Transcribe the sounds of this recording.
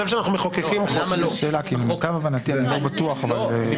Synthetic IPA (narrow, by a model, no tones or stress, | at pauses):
efʃ̬eanaχnumeχokekimmaloʃeːlakilumkavavanat̪ianilobat̪uaχaval